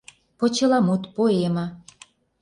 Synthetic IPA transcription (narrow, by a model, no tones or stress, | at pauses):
pŏt͡ɕɤ̆lɑmut̪poemɑ